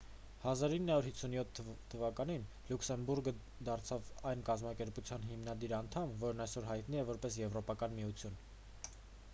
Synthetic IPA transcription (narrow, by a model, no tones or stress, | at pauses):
hɑzɑɾinːəhɑuɾhit͡sʰunjɔt̪ʰː | əvɑkɑnin | luksɛmbuɾɡə | d̪ɑɾt͡sʰɑvɑjnkɑzmɑkɛɾput͡sʰjɑnɦimnɑd̪iɾɑn̪t̪ʰɑmvɔɾnɑjsɔɾɦɑjt̪niɛvɔɾpɛsjɛvɾɔpɑkɑnmiut͡sʰjun